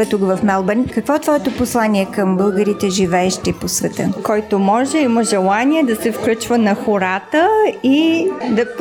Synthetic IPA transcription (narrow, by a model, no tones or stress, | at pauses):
ɛt̪ukvɐfnalˠbɛnkɐkvɔɛt̪vɔɛt̪oposlˠaniɛkəmbɤlˠɡəɾit̪ɛʒivɛːʃt̪iposvɛt̪ə̰kɔjt̪omɔʒɛiməʒɛlˠaniɛd̪ɐsɛfklʲut͡ʃvənɐxoɾat̪əid̪ɐ